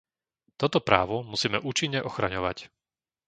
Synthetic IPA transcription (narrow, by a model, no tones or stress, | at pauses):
t̪ɔt̪ɔpɾa̰ːʋɔmusiːmɛʔuːt͡ʃiɲːɛʔɔxɾaɲɔʋa̰c